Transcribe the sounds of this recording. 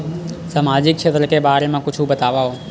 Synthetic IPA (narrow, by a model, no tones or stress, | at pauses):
samaːd͡ʑɪk̚t͡ʃʰeːt̪ɾəkebaːɾemãkʊt͡ʃʰubɐt̪aːʋaɦoː